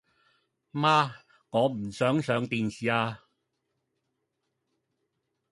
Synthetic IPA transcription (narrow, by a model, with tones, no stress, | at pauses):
maː˥ | ŋɔː˨˧m̩˨˩sœː˨˥ŋsœː˨˧ŋt̪iː˨nsiː˨aː˧